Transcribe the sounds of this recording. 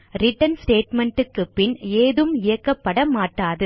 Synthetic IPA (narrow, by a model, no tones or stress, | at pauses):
ɾɪʈːɐnsʈeːʈmɛɳʈɯkːɯpːɪneːðɯmɪjɐkːɐpːɐɽɐmaːʈːaːðɯ